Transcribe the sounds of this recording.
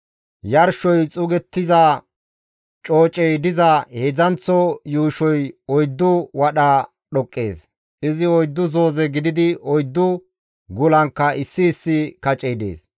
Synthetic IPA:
jɐɾʃɔjt͡sʼʊɡɛt̪ːɪzɐ | t͡ʃʼo̞ːt͡ʃʼɛjd̪ɪzɐheːd͡zɐnt͡sːɔjuːʃɔjɔjd̪ːʊwɐɗɐ | ɗɔkʼːe̞̰ːs | ʔɪzɪɔjd̪ːʊzoːzɛɡɪd̪ɪd̪ɪɔjd̪ːʊ | ɡʊlɐŋkːɐɪsːɪːsːɪkɐt͡ʃʼɛjd̪ḛːs

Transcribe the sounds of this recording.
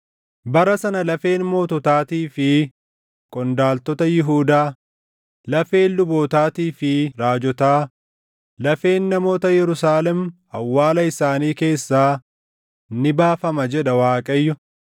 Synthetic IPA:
bɐɾɐsɐnɐlɐfe̞ːnmo̞ːt̪ɔt̪aːt̪iːfɪ | kʼɔnd̪aːlt̪ɔt̪ɐjɪɦuːd̪aː | lɐfe̞ːnlʊboːt̪aːt̪iːfɪɾaːd͡ʒɔt̪aː | lɐfe̞ːnːɐmo̞ːt̪ɐjɛɾʊsaːlɛm | ɐwːaːlɐɪsaːniːke̞ːsːaː | nɪbaːfɐmɐd͡ʒɛᶑɐwaːkʼɐjːʊ

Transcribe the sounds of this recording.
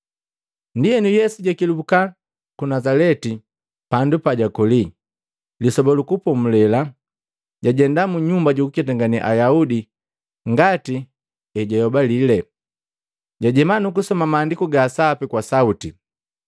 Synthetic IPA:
ndijɛnujɛsuɟakiluka | kunazalɛti | pandupaɟakɔli | lisɔbɔlukupɔm̩lɛla | ɟaɟɛndamuɲumbaɟukukɛt̬aŋɡaniʔa̰jaudi | ŋɡati | ɛɟajɔbalilɛ | ɟaɟɛmanukusɔmamaːndikuɡaːsapikwasauti

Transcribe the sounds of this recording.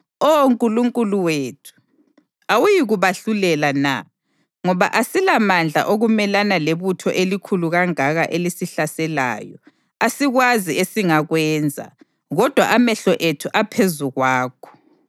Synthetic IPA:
ooŋkʼuluŋkʼuluweːtʰu̥ | awujiɣuβaɬulɛlana̰ | ŋɔβa̰ʔasilamand͡ɮʱa̰ʔoɣumɛlanaleβutʰɔʔelikʰuluɣaŋaɣaʔelisiɬasɛla̰ːjɔ | asiɣwaziesiŋaɣwɛnd͡zʱa̰ | ɣɔd̥ʱwaʔamɛɬɔʔetʰuʔapʰezuɣwaːkʰɔ̥

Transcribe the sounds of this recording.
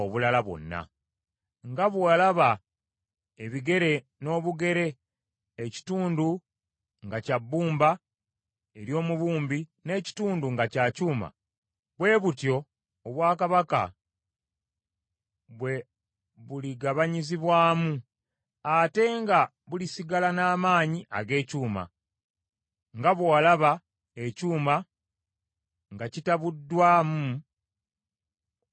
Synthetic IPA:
oβulalaβwo̞̰nːa̰ | ŋɡaβwalaβa | eβiɡe̞ɾe̞ | no̞ːβuɡe̞ɾe̞ː | ci̥tuːndu | ŋɡacabːuːmba | e̞ɾjo̞ːmuβuːmbine̞ːci̥tuːnduŋɡacaːcuːma̰ | βwe̞ːβutjo̞ | oβwaːkaβaka̰ | βwe̞ | βuliɡaβaɲiziβwaːmu | ate̞ŋɡa | βulisiɡalanaːmaːɲiʔa̰ɡe̞ːcuːma̰ | ŋɡaβwalaβa | ecuːma | ŋɡacitaβudːwaːmu

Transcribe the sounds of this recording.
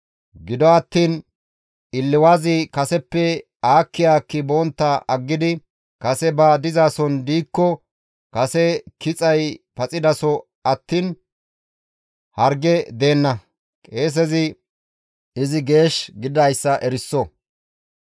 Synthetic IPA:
ɡɪd̪ɔɐt̪ːiːn | ɪlːɪwaːzɪkɐsɛpːɛ | aːkːɪjaːkːɪbɔːnt̪ːɐʔɐɡːɪd̪ɪ | kɐsɛbɐd̪ɪzaːsɔnd̪iːkːɔ | kɐsɛkɪt͡sʼɐjpɐt͡sʼɪd̪ɐsɔ | ɐt̪ːiːn | hɐɾɡɛd̪e̞ːnːɐ | kʼe̞ːs̬ɛzɪ | ɪzɪɡe̞ːʃɡɪd̪ɐjsːɐʔɛɾɪsːɔ

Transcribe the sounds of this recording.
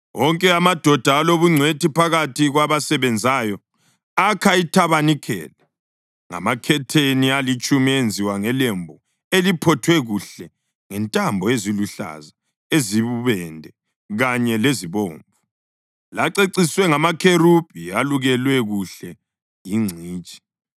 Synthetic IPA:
wɔŋkʼɛamad̥ʱɔd̥ʱaːloβuŋ͡ǀʱwetipʰaɣatʰiɣwaβasɛβɛnd͡zʱaːjɔ | akʰaitʰaβanikʰɛ̰ːla | ŋa̰makʰɛtʰenialit͡ʃʼumiend͡zʱiwaŋɛlembʱɔ | elipʰɔtʰwɛɣuɬɛ | ŋɛntʼambʱɔeziluɬa̰za | eziβuβɛndʱɛ | ɣaɲɛleziβo̰ːɱvu | laǀeǀiswɛŋamakʰerup̚ialuɣɛlwɛɣuɬɛ | jiŋ͡ǀʱiːt͡ʃʼi̥

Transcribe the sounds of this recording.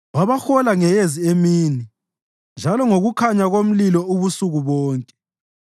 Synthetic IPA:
βaβaxɔlaŋɛjeziemiːni | nd͡ʒʱalɔŋoɣukʰaɲaɣom̩lilɔuβusuɣuβɔːŋkʼɛ̥

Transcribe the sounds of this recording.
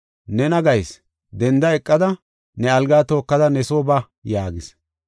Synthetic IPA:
nɛnɐɡɐjs | d̪ɛnd̪ɐɛkʼːɐd̪ɐ | nɛɐlɡaːt̪o̞ːkːɐd̪ɐnɛsoːbɐ | jaːɡɪs

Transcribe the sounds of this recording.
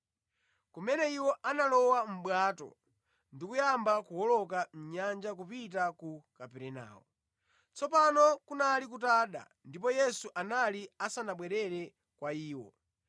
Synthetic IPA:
kumɛnɛiwɔʔanalɔwam̩ɓwaːtɔ̰ | ndikujambakuwɔlɔkam̩ɲand͡ʒak̬upit̬akukapɛɾɛna̰ːwɔ | t͡sɔpanɔkunalik̬utaɗa̰ | ndip̬ɔjɛsuʔanaliasanaɓwɛɾɛɾɛ | kwaiːwɔ̰

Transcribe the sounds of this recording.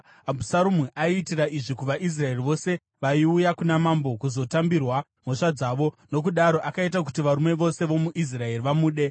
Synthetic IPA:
abʱusaɾumiʔaitiraʔiʐikuʋaʔis̬rae̞riʋo̞se̞ | ʋaiujakunamambo̞kuzo̞tambirwa | m̤o̞ʂad͡zaːʋo̞ | no̞k̬uɗaɾo̞ʔakaitakutiʋaɾume̞ʋo̞se̞ʋo̞muʔis̬rae̞riʋamuːɗe̞

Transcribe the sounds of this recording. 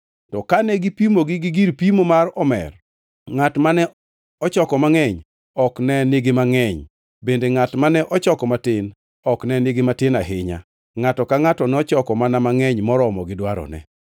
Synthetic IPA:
tɔkanɛɡipimoɡɪɡɪɡiɾpimomaɾɔmɛ̰r | ŋatmanɛ | ɔt͡ʃɔkɔmaŋɛɲ | ɔknɛneɡemaŋɛɲ | bendeŋatmanɛʔɔt͡ʃɔkɔmatɪn | ɔknɛneɡematɪnaɦɪɲa̰ | ŋatɔkaŋatɔnɛɔt͡ʃɔkɔmanamaŋɛɲmɔɾɔmɔɡɪdwaɾɔ̰nɛ̰

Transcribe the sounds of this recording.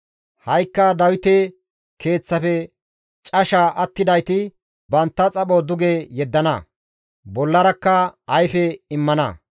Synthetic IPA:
hɐjkːɐd̪ɐwɪt̪e | kʰe̞ːt͡sːɐfɛ | t͡ʃʼɐʃaʔɐt̪ːɪd̪ɐjt̪ɪ | bɐnt̪ːɐt͡sʼɐɓoːd̪ʊɡejɛd̪ːɐnɐ̰ | bɔlːɐɾɐkːɐɐjfɛɪmːɐnɐ̰

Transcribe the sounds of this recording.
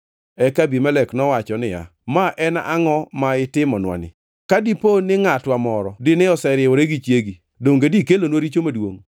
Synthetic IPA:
ɛkabimɛlɛknɔwat͡ʃɔnɪja̰maʔɛnʔa̰ŋɔmaɪtɪmɔnwa̰nɪ̰ | kadiponɪŋatwamɔɾɔdɪnɪɔsɛɾɪɔɾeɡit͡ʃjeɡi | doŋɡedikelonwoɾit͡ʃomadwo̰ŋ

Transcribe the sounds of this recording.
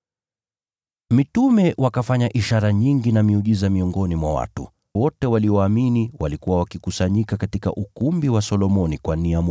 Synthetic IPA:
mitumɛwʔakafaɲaʔiʃaɾaɲiŋɡinamiuʄizamiɔŋɡɔnimwawa̰tṵ | wɔtɛwaliɔaminiwalikuwawakikusaɲikakatika̰ʔukumbiwasɔlɔmɔnikwaniam

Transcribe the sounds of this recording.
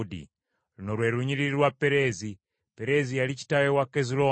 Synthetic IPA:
dḭ | lunolweɾuɲiliɾiɾwapeɾezi | peɾezijalit͡ʃi̥tawewakezulo

